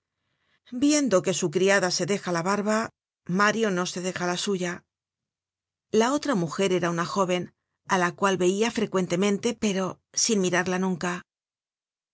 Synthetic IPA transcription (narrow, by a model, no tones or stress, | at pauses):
bje̞nd̪o̞ke̞sukɾiaðase̞ðe̞xalaβaɾβa | maɾjo̞no̞se̞ðe̞xalasuʝa | lao̞t̪ɾamuxe̞ɾe̞ɾaunaxo̞βe̞n | alakwalβe̞iafɾe̞kwe̞nt̪e̞mẽ̞nt̪e̞pe̞ɾo̞ | sinmiɾaɾlanũŋka